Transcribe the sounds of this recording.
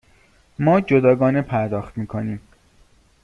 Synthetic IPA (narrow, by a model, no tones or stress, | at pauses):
mɒːd͡ʒod̪ɒːɡɒːnepʰæɾd̪ɒːxt̪miːkʰoniːm